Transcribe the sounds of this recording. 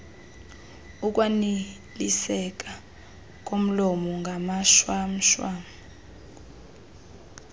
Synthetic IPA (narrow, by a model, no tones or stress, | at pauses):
uk̬wani | lisɛk̬ʼa | k̬ʼom̩lɔmɔŋɡʱamaʃwam̩ʃwam